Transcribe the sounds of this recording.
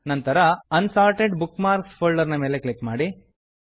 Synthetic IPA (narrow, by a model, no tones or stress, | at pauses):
nɐnt̪ɐɾɐɐnsaːɾʈeɖbukmaːɾkspʰoːlɖɐɾnɐmeːle̞klikmaːɽi